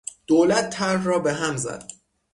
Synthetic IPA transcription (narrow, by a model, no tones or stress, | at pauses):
d̪̥oːlæt̪ʰːæɾːɒːbeɦæmzæ̰d̪̥̚